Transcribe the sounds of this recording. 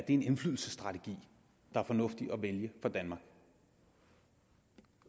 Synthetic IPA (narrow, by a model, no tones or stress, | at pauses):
d̥e̝e̝ne̝nflyðˠl̩səsd̥ʁɑ̈t͡sʰeɡ̥ḭː | d̥ɑ̈æɐfɒ̽nɔ̽fd̥iʔɒ̽ʋeljəfɒd̥ænmɑ̈ːɡ̥